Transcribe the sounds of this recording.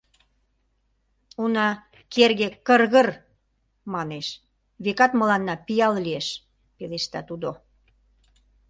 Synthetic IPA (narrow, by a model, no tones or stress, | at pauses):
unɑ | kerɣekərɣə̆r | mɑneʃ | βekɑt̪mə̆lɑnːɑpijɑllieʃ | peleʃt̪ɑ̰t̪ud̪o